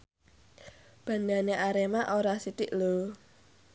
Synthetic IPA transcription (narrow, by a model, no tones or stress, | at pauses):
b̥a̤ndaneʔaɾemaʔoɾasit̪ɪʔlo